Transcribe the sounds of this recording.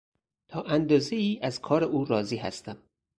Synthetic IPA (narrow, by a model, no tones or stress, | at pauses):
t̪ʰɒːʔænd̪ɒːzeiːʔæzkʰɒːɾeʔuːɾɒːziːɦæ̰st̪æm